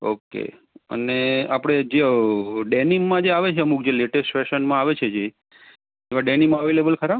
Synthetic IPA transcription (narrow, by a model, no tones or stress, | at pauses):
o̰kḛ | ə̰neapɽ̃ed͡ʒeɖenimːãd͡ʒeaʋet͡ʃʰeəmuk̚d͡ʒeleʈesʈfeʃənmãaʋet͡ʃʰed͡ʒe | eʋaɖenimãəʋelebəlkʰəɾab